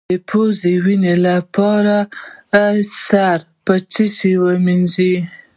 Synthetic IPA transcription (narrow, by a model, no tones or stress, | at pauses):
epʰozewinelapɑɾa | saɾ | pət͡ʃisiwəminzi